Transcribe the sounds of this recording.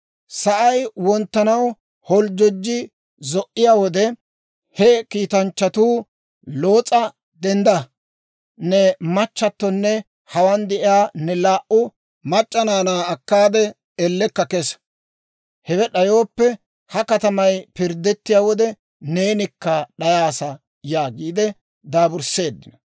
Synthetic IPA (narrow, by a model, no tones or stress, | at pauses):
sɐʔɐjwɔnt̪ːɐnɐw | hɔld͡ʒɔd͡ʒːɪ | zɔʔɪjaːwɔd̪ɛ | hɛkiːt̪ɐnt͡ʃːɐt̪uː | lo̞ːt͡sʼɐ | d̪ɛnd̪ɐ | nɛmɐt͡ʃːɐt̪ːɔnːɛ | hɐwand̪ɛʔjaːnɛlaːʔʊ | mɐt͡ʃʼːɐnaːnaːɐkːaːd̪ɛ | ɛlːɛkːɐkɛs | hɛwɛɗɐjoːpːɛ | hɐkɐt̪ɐmɐjpɪɾd̪ːɛt̪ːɪjaːwɔd̪ɛ | ne̞ːnɪkːɐɗɐjaːsɐ | jaːɡiːd̪ɛ | d̪aːbʊɾse̞ːd̪ːɪnɐ